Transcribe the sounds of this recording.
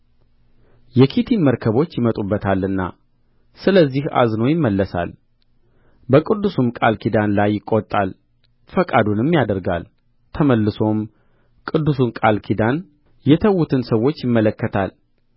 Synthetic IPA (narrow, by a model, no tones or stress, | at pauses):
jɛkʰit̪ʰiməɾkʰəβo̞t͡ʃːjɪmət̪ʼubːət̪ʰalːɨnːa̰ | sɨləzːiha̰znəwjɪmːəlːəsa̰l | bəkʼɨd̪ːusumkʼalkʰid̪anlajːɪkʼːot̪ʼːal | fəkʼad̪unɪmːjad̪əɾɡa̰l | t̪ʰəməlːɨso̞m | kʼɨd̪ːusunkʼalkʰid̪an | jɛt̪ʰəwːut̪ʰɨnsəwːo̞t͡ʃːjɪmːələkːət̪ʰal